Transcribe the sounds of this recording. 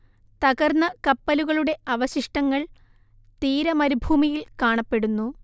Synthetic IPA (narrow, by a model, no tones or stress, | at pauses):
t̪ɐɣɐrnːɐkɐpːɐluɣɐɭuɽe̞ɐʋɐɕiʂʈɐŋːɐɭ | t̪iːɾɐmɐɾibʱuːmijilkaːɳɐpːe̞ɽunːu